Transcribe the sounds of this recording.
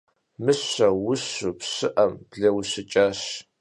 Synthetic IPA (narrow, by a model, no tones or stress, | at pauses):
mɨɕɐwʊɕupɕɨʔɐmb̥ɮɐwɕɨt͡ʃʼaːɕ